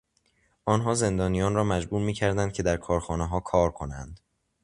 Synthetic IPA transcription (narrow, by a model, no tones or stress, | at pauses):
ʔɒːnɦɒːze̞nd̪ɒːnijɒːnrɒːmæd͡ʒbuːɾmiːcʰæɾd̪ænd̪̚cʰe̞d̪æɾkʰɒːɾxɒːneɦɒːkʰɒːɾkʰo̞nænd̪